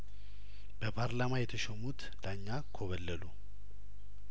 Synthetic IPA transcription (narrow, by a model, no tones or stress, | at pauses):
b̥əpʰaɾlamajɛt̪ʰəʃɛmut̪ | laɲːakʰoβəlːəlu